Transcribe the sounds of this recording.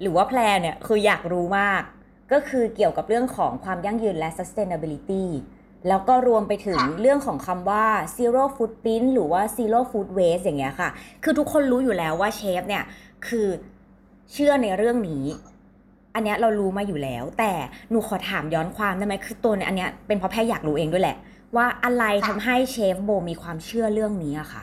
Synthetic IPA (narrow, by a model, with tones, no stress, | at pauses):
ɾɯː˩˦waː˥˩pʰlɛː˧ni˥˩ɐkʰɯː˧jaː˨˩k̚ɾuː˦˥maː˥˩kː | ɔː˥˩kʰɯː˧ki˨˩əwka˨˩p̚ɾɯ˥˩əŋkʰɔ̰ː˩˦ŋkʰwaː˧mja˥˩ŋjɯː˧nlɛ˦˥sa˧˦˥st̪eː˧na˧bi˧li˦˥t̪iː˥˩ | lɛː˦˥wkɔː˥˩ɾu˧əmpa˧jt̪ʰɯ˨˩˦ŋɾɯ˥˩əŋkʰɔː˩˦ŋkʰa˧mwaː˥˩siː˧ɾoː˥˩fuː˦˥t̪̚pi˦˥nɾɯː˩˦waː˥˩siː˧loː˥˩fuː˦˥t̪̚weː˦˥s̬ja˨˩ŋːi˦˥ɐkʰa˥˩kʰɯː˧t̪ʰu˦˥kʰːo˧nɾuː˦˥juː˨˩lɛː˨˦˥wːaː˥˩t͡ɕʰeː˦˥p̚ni˥˩əkʰɯː˧ | t͡ɕʰɯ˥˩əna˧jɾɯ˥˩əŋniː˦˥ | ʔa˧nːi˦˥ɐɾa˧wɾuː˦˥maː˧juː˨˩lɛ̰ː˦˥wt̪ɛː˨˩nuː˨˩kʰɔː˨˩˦t̪ʰaː˩˦mjɔː˦˥nkʰwaː˧mda˥˩ma˦˥jkʰɯː˧t̪u˧əni˧˥˩ʔa˧nːi˦˥ɐpe˧npʰɔ˦pʰɛː˥˩jaː˨˩k̚ɾuː˦˥ʔeː˧ŋdu˥˩˨jlɛ̰˨˩ | waː˥˩ʔa˧ɾa˧jt̪ʰa˧mɦa˥˩jt͡ɕʰeː˦˥p̚boː˧miː˧kʰwaː˧mt͡ɕʰɯ˥˩ɐɾɯ˥˩əŋniː˦˥ʔa˨˩xʰa̰˥˩